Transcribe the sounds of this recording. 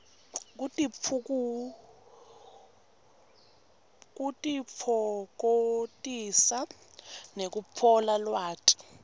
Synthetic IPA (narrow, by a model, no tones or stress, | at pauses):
k̬utʼiuku | k̬utʼip̪ʰɔk̬otʼisa | nek̬upʰɔlalwaːtʼi̥